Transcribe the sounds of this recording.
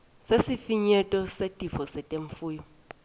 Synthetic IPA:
sesifiɲɛtʼɔsetʼifɔsɛtʼeɱfuːjɔ

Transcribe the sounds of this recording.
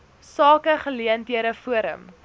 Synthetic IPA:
sɑːkəχəliəndiəɾəfuəɾə̰m

